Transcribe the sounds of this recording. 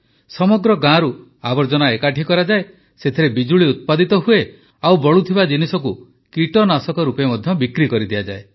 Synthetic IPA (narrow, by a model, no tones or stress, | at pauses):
sɔmɔɡɾɔɡãɾu | abɔɾd͡ʒɔnaekaʈʰikɔɾad͡ʒae | set̪ʰiɾebid͡ʒuɭiut̪̚pad̪it̪ɔɦue | awbɔɭut̪ʰibad͡ʒinisɔku | kiʈɔnasɔkɔɾupemɔd̪ʱjɔbikɾikɔɾid̪iad͡ʒae